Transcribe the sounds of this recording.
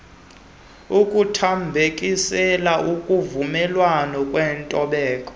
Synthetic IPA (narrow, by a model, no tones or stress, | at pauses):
ukʼutʰambʱekʼisɛlaʔukʼuvumɛlwanɔkʼwɛːntʼɔɓɛːkʼɔ̥